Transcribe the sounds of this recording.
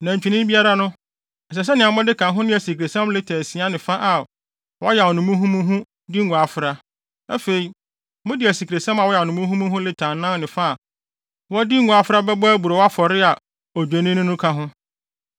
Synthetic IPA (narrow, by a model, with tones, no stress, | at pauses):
nã˨ɲ˨t͡ɕᶣi˨nɪ̃˦bi˦a˦ɾa˦nʊ̃˦˨ | s̬ɛ˨s̬ɛ˦nɪ̃˨ã˨m˦ɔ̃˦dɪ˦kʰã˨ɦʊ̃˦nɪ̃˦æ˨si˨kʰɾe˨sɛ̃˦mlɪ˦tʰæ˨si˨a˦nɪ̃˨fa˦ʔa˨ | wɔ˦jɛ˨wɔ˨nʊ̃˨mũ˦ɦũ˦mũ˦ɦũ˦ | dɪ˦ŋ˨ɡʷũ˨a˨fɾa˦ | a̰˦fe˨i˨ | mʊ̃˦dɪ˨æ˨si˨kʰɾe˨sɛ̃˦ma˨wɔ˦jɛ˨ɔ˨nʊ̃˨mũ˦ɦũ˦mũ˦ɦʊ̃˦lɪ˦tʰã˨nːã˦nɪ̃˨fa˦a˨ | wɔ˦dɪ˦ŋ̩˦˨ũ˨a˨fʊ˦ɾa˦bɛ˦ba˦bu˨ɾɔ˨wa˦fɔ˨ɾɪ˦a˨ | ɔ˨d͡ʑᶣæ˨nɪ̃˦nʊ̃˦nʊ̃˦kʰã˨ɦʊ̃˦